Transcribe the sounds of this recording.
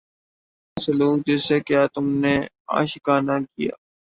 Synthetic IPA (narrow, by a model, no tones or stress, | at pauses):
səluːk̚d͡ʒɛːsekɪjaːt̪ʊmneː | a̰ːʃkaːnakija̰ː